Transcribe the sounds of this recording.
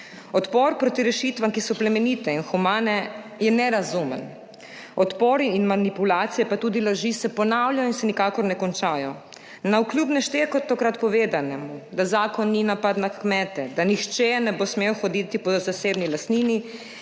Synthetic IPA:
ɔt̪pɔɾpɾoːt̪iɾɛʃit̪ʋamkisɔplɛmɛniːt̪ɛinxumaːnɛjɛnɛɾazumən | ɔt̪pɔːɾiːnmanipulaːt̪sijɛpat̪uːd̪ilaʒisɛpɔnaːwljajɔinsɛnikaːkɔɾnɛkɔnt͡ʃaːjɔ | nauklʲjubnɛʃt̪ekɔt̪ɔkɾat̪pɔʋeːd̪anɛmud̪azaːkɔnːinapad̪nakkmɛːt̪ɛd̪anixt͡ʃɛnɛbosmewxɔd̪it̪ipɔzaseːbnilast̪niːni

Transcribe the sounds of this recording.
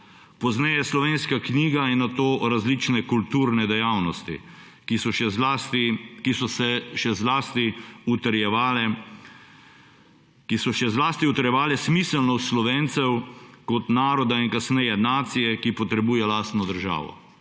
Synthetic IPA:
pɔznɛjɛslɔʋeːnskakniːɡainat̪oːɾazlit͡ʃnɛkult̪uːɾnɛd̪ɛjawnɔst̪ḭ | kisɔʃɛzast̪ikisɔsɛʃɛzlaːst̪iut̪əɾjɛalɛ | kisɔʃɛzlaːst̪iut̪əɾjɛʋaːlɛsmisəlnɔt̪slɔʋeːnt̪sɛwkɔt̪naːɾɔd̪ainkasnɛjɛnaːt̪sijɛkipɔt̪ɾɛbuːjɛlaːst̪nɔd̪əɾʒa̰ːʋɔ̰

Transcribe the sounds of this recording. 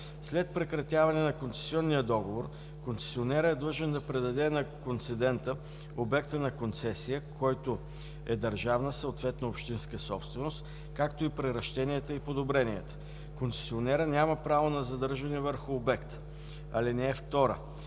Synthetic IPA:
slɛt̪̚pɾɛkɾɐt̪ʲjavɐnɛnɐkont̪sɛ̥siɔnːijəd̪ɔɡovoɾ | kontsɛ̥sionɛɾəɛd̪lˠɤʒɛnd̪ɐpɾɛd̪ɐd̪ɛnɐkont̪sɛd̪ɛnt̪ə | obɛkt̪ənɐkont̪sɛsijəkʰɔjt̪o | ɛd̪ɐɾʒavnəsəot̪vɛt̪noopʃt̪inskəsɔpst̪vɛnost̪ | kakt̪oipɾɛɾɐʃt̪ɛniɛt̪əipod̪obɾɛniət̪ə̥ | kontsɛ̥sionɛɾənʲaməpɾavonɐzɐd̪ɤɾʒɐnɛvəɾxʊːbɛkt̪ə̥ | ɐlinɛːft̪ɔɾə̰

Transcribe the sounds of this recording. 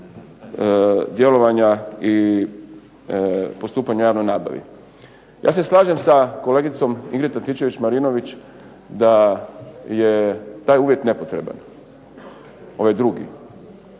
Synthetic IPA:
d̪je̞lo̞ʋaɲai | po̞st̪uːpaɲajaːʋno̞jnaːba̰ʋḭ | ja̰ːseslˠaːʒe̞msako̞leɡit̪so̞miɡɾit̪at̪it͡ʃe̞ʋit͡ɕmaɾino̞ʋit͡ɕ | d̪a | je̞t̪aːjuːʋje̞t̪ne̞po̞t̪ɾe̞ba̰n | o̞ʋajd̪ɾuɡḭ

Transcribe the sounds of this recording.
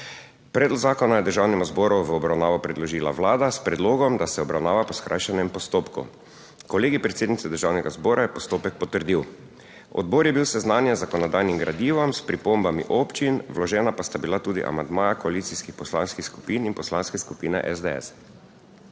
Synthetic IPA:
pɾɛːd̪lɔɡzaːkɔnajɛd̪əɾʒawnɛmɔzbɔːɾuʋəɔbɾawnaːʋɔpɾɛd̪lɔʒiːla̰ʋlaːd̪aspɾɛd̪loːɡɔmd̪asɛɔbɾawnaːʋapɔskɾa̰jʃanɛmpɔst̪oːpkṵ | kɔleːɡipɾɛt̪seːd̪nit̪sɛd̪əɾʒawnɛɡazbɔːɾajɛpɔst̪oːpɛk̚pɔt̪əɾd̪iw | ɔ̰d̪̚bɔːɾjɛbiwsɛznaːnjɛzakɔnɔd̪ajnimɡɾad̪iːʋɔmspɾipombamḭʔoːpt͡ʃinʋlɔʒɛːnapast̪abilat̪uːd̪ḭʔa̰mand̪maːjakɔaliːt̪siskixpɔslanskixsku̥pininpɔslanskɛskupiːnɛ̰ʔɛzd̪eɛ̰s

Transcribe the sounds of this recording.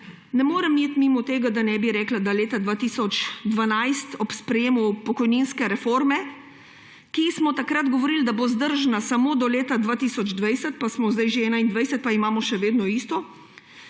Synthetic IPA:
nɛmoːɾɛmjeːt̪mimɔt̪eːɡad̪anɛbiɾɛːklad̪aleːt̪ad̪ʋaːt̪iːsɔt͡ʃd̪ʋanajst̪ɔpspɾɛjeːmupɔkɔjninskɛɾɛfoɾmɛ | kismɔt̪akɾad̪ɡɔʋɔɾiːld̪abozd̪əɾʒnasamod̪ɔleːt̪ad̪ʋaːt̪iːsɔd͡ʒd̪ʋajsɛt̪̚pasmɔzd̪ajʒeɛːnaind̪ʋajsɛt̪̚paimaːmɔʃɛʋeːd̪nɔiːst̪ɔ

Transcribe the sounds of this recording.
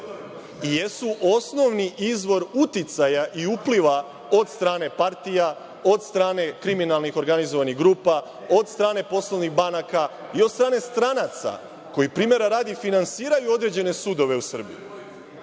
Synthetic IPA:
ijesuʔo̞sno̞ʋniʔizʋo̞ɾut̪it̪sajaʔiupliʋa | o̞d̪st̪ɾaːne̞paɾt̪ija | o̞d̪st̪ɾaːne̞kɾiminalˠnixo̞ɾɡanizoʋaniɣɡɾuːpa | o̞d̪st̪ɾaːne̞po̞slˠoʋniɣbanakaio̞d̪st̪ɾaːne̞st̪ɾanat̪sa̰ | ko̞jipɾiːmje̞ɾaɾaːd̪ifinansiːɾajuo̞d̪ɾe̞d͡ʑe̞ne̞sud̪o̞ʋe̞usr̩bḭju

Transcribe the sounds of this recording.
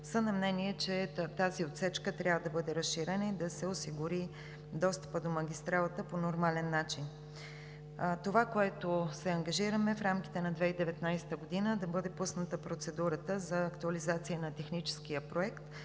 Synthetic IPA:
sənɐmnɛniɛt͡ʃɛt̪aziot̪sɛt͡ʃkət̪ɾʲjavəd̪ɐbɤd̪ɛɾəsʃiɾɛnəid̪ɐsɛosiɡuɾi | d̪ɔst̪ə̥pəd̪omɐɡʲist̪ɾalˠət̪əponoɾmalɛnːat͡ʃin | t̪ovakoɛt̪osɛɐŋɡɐʒiɾəmɛfɾamkʲi̥t̪ɛnɐd̪vɛid̪ɛvɛt̪najsɛ̥t̪əɡod̪inəd̪ɐbɤd̪ɛpusnət̪əpɾot̪sɛd̪uɾət̪əzɐːkt̪uɐlizat̪sijənɐt̪ɛxnit͡ʃɛ̥sk̟ijəpɾoɛkt̪

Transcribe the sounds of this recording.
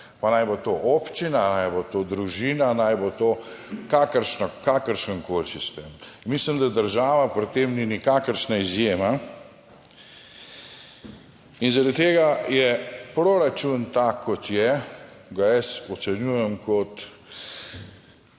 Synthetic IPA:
panajbot̪oʔopt͡ʃinanajbot̪od̪ɾuʒiːnanajbot̪oːkakəɾʃnakakəɾʃəŋkoːlsist̪eːminmislimd̪ad̪əɾʒaːʋapɾit̪ːemninikakəɾʃnaizjeːma | inzaɾad̪t̪eːɡajɛpɾoɾat͡ʃunt̪akʰːɔt̪jɛɡajɛsɔt̪sɛnjuːjɛmkɔt̪

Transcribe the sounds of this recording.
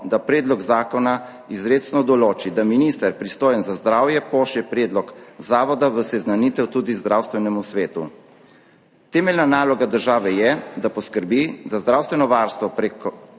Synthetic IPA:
d̪apɾɛːd̪lɔɡzaːkɔna | izɾeːt͡ʃnɔd̪ɔloːt͡ʃid̪aminiːst̪əɾpɾist̪oːjənzazd̪ɾaːwjɛpɔʃɛpɾɛːd̪lɔkzaːʋɔd̪aʋəsɛznaniːt̪ɛwt̪uːd̪izd̪ɾaːwst̪ʋɛnɛmusʋeːt̪u | t̪ɛːmɛlnanaːlɔɡad̪əɾʒaːʋɛjɛd̪apɔskəɾbid̪azd̪ɾaːwst̪ʋɛnɔʋaːɾst̪ʋɔpɾek

